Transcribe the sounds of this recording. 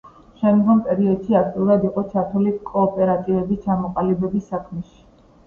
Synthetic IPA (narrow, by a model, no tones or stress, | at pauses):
ʃɛmd̪ɡɔmpʼɛɾiɔd̪̥ʃiak̚ʰt̪ʼiuɾad̪iqʼɔt͡ʃʰat̪ʰulikʼɔːpʼɛɾat̪ʼivɛbist͡ʃʰamɔqʼalibɛbisːakʰmɛʃi̥